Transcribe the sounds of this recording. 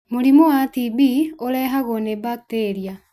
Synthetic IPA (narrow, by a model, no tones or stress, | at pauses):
moɾimowatibioɾɛːɦaɣonebak̚teɾia